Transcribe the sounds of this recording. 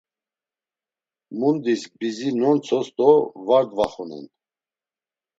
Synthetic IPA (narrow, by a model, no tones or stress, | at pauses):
mund̪iskbizinɔnt͡sʰɔst̪ʼɔvaɾd̪vaχunɛ̰n